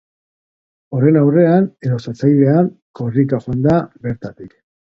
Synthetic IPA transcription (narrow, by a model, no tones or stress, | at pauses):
o̞ɾe̞nawre̞ane̞ðo̞sat͡sajðe̞aŋko̞rikaxoand̪aβe̞ɾt̪at̪ik